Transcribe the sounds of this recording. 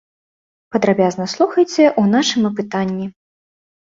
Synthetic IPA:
pɐd̪ɾabʲaznɐslˠuxɐjt͡sʲɛʔunaʂɨmɐp̬ɨt̪anʲːi

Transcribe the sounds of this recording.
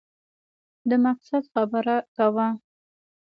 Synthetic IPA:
d̪əmaqsad̪xabəɾakawa

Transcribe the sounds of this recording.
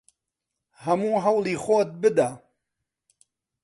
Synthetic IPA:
hɐmuːɦɐwliːxoːt̪̚bɨd̪a

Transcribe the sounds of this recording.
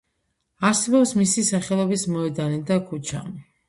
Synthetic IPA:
asɛbɔpsmisisaχɛlˠɔbismɔɛd̪anid̪akʰut͡ʃʰa̰

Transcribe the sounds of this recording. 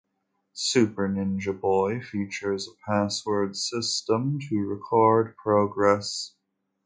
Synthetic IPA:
sʉpə˞nɪ̃nd͡ʒɨbɔɪfit͡ʃə˞zəpʰæswə˞dsɪstə̃mtʰɨɹɨkʰɔɹd̚pʰɹ̥oʊɡɹɛs

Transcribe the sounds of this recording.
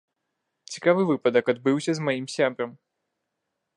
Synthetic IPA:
t͡sʲi̥kavɨvɨpɐd̪ɐkad̪̚bɨwsʲɐzmajimsʲabɾɐm

